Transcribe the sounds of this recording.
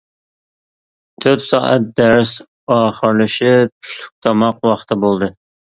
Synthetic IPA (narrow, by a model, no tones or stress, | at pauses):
t̪ʰɵɾt̪sɑːʔæt̪̚d̪æɾs | ɑːχəɾlɪʃɪpʰy̥ʃlʊk̚ʲt̪ʰɑmɑqwɑχt̪ʰɪbolˠd̪ɨ